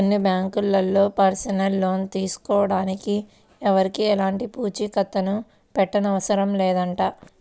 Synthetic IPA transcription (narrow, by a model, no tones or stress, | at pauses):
onːibjaːŋkulːɐlːo̞ːpɐɾsɐnɐlːo̞ːnt̪iːsu̥kɔːɐɽaːniki | ɛʋɐɾikiɛlaːɳʈipuːt͡ʃikɐt̪ːɐnu | pɛʈːɐnɐʋɐsɐɾɐmlɛːd̪ɐɳʈaː